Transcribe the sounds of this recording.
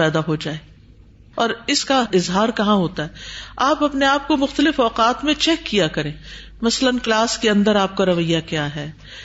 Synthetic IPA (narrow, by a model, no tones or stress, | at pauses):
ɛːd̪aɦod͡ʒaːeː | ɔːɾɪskaɪzɦaːɾkɐɦãɦoːt̪aɦɛːaːpɐpneaːp̚komʊxt̪əlɪfɔːqaːt̪mẽt͡ʃɛːkːijakɐɾẽː | mɐslənklaːskeɐ̃nd̪əɾaːp̚kaɾɐʋəjːakjaːɦɛː